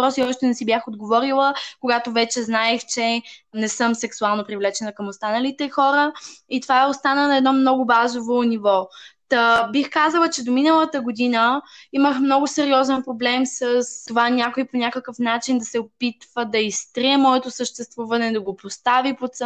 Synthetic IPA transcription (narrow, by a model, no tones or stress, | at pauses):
pɾɔsiɔʃt̪ɛnɛsibʲjaxod̪ɡovɔɾilˠəkoɡat̪ovɛt͡ʃɛznaɛxt͡ʃɛnɛsɤmsɛksualˠnopɾivlɛt͡ʃɛnəkɐmost̪anəlit̪ɛxɔɾəit̪ovaɛost̪anənɐɛd̪nɔmnɔɡʊbazovonivɔt̪ɐbixkazəlˠət͡ʃɛd̪ominəlˠət̪əɡod̪inəiməxmnɔɡʊsɛɾiɔzɛnpɾoblɛmsəst̪ovanʲakoiponʲakəkəfnat͡ʃind̪ɐsɛopit̪vəd̪ɐist̪ɾiɛmɔɛt̪osəʃt̪ɛst̪vuvɐnɛd̪ɐɡopost̪avipot̪s